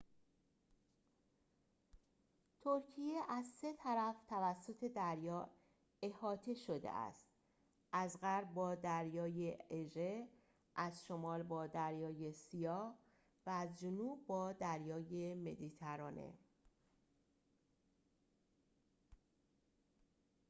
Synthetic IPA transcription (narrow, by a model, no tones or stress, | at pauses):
t̪ʰoɾcʰije̞ʔæzse̞t̪ʰæɾæft̪ʰævæsːot̪ʰe̞d̪æɾjɒː | e̞hɒːt̪ʰeʃo̞d̪ḛʔæ̰st̪̚ | ʔæzɣæɾb̚bɒːd̪æɾjɒːjeeʒe | ʔæzʃo̞mɒːlbɒːd̪æɾjɒːjesijɒːh | væːzd͡ʒonuːb̚ːɒːd̪æɾjɒːjeme̞̰d̪it̪ʰæɾɒːnḛ